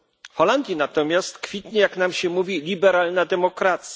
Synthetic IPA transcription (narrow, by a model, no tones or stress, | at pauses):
fxɔland̪ʲjinat̪ɔmʲjast̪kfʲit̪ɲɛjaknamɕɛmuvʲilʲibɛɾalnad̪ɛmɔkɾat̪sʲja